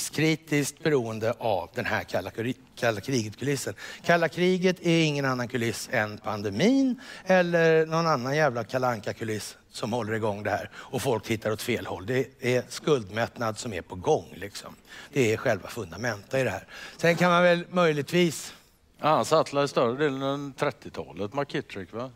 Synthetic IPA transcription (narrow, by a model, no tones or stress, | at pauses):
skʰɾiːt̪ɪskt̪̚bɛɾuːənd̪əʔavd̪ɛnɦæɾaa | kʰalːakʰɾiːɡət̪kʰɵlɪsːənkʰalːakʰɾiːɡət̪ʰæɾɪŋːənanːankʰɵlɪsːɛnpʰand̪ɛmiːnɛlːəɾnɔnanːanjæːvlakʰalaŋkakʰɵlɪs | sɔmhɔlːəɾɪɡɔŋːd̪ɛhæːɾɔfɔlkt̪ɪt̪ːaɾɔt̪feːlhɔ̰lːd̪ɛːskɵld̪mɛt̪nad̪sɔmæ̰ɾpʰɔɡɔŋːlɪksɔ̰md̪̥ɛːɧɛlva̰fɵnd̪amɛnt̪əɪd̪ɛhæ̰ːɾsɛnkʰanmanvɛlmœjlɪɡ̚t̪viːs | aansat̪ʰlaɾɪst̪œɾəd̪eːlənɛt̪ʰɾɛt̪ːɪt̪ʰɑ̰ːlət̪maɾkʰɪt̪ɾɪkva